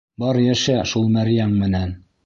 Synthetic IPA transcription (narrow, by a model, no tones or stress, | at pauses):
bɒɾjæʃæʃulˠmæɾjæɴmɘ̆næn